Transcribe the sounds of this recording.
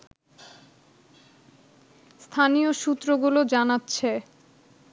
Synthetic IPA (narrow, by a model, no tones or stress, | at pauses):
st̪ʰanijoʃut̪ːɾoɡulod͡ʑanatːɕʰe